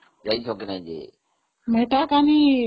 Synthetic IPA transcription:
d͡ʒaːiːt͡ʃʰoːknẽːd͡ʒḛː | meːʈaːkaːniː

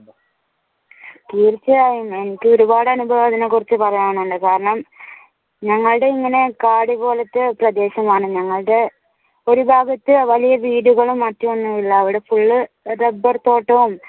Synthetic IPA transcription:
t̪iːrt͡ɕːɐjaːjume̞nikʲːɨo̞ɾubaːɽɨɐnubʱɐʋɐðinekːurit͡ɕːɨpɐrɐɲaːɳuɳɖɨkaːɾɐɳɐm | ɲɐŋːɐɭɨɽe̞iŋːɐne̞kaːɽibo̞ːlɐt̪ːɨprɐd̪e̞ːɕɐmaːɳɨɲɐŋːɐɭɨɽe̞ | o̞ɾubʱaːɡɐt̪ːɨʋɐlijɐʋiːɽuɣɐɭumːɐtːɐmonːuilːɐːʋiɽe̞fuɭːɨ | rebɐrt̪o̞ːʈːɐʋum

